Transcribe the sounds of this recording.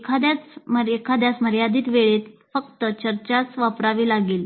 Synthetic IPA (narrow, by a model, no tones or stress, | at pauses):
ekʰad̪jat͡sməɾekʰad̪jat͡sməɾjad̪iːt̪ʋeɭet̪fəkt̪ət͡ɕəɾt͡ɕat͡sʋapɾaʋiːlaɡiːl